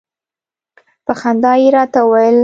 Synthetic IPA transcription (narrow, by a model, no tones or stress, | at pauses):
pəxand̪ɑjeɾɑt̪awajəl